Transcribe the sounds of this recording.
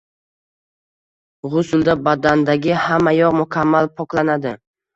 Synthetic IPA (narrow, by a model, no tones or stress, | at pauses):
ʁʊsʊlˠd̪abad̪and̪aɡʲɪhamːajɒʁmʊkʲʰamːalpʰɒklanad̪ɪ